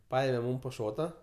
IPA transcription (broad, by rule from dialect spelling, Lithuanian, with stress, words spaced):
ˈpɐeːmʲɛ ˈmuːm poː ˈʃoːtɐ